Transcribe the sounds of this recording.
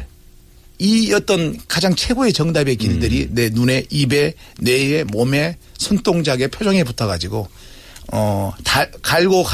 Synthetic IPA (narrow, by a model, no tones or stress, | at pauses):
iʌt͈ʌnkad͡ʑaŋt͡ɕʰe̞ɡoe̞t͡ɕʌŋdabe̞kilidɯɾine̞nune̞ʔibe̞ | ne̞emome̞sʰont͈oŋd͡ʑaɡe̞pʰjod͡ʑʌŋeputʰʌɡad͡ʑiɡo | ʌtakaɭɡok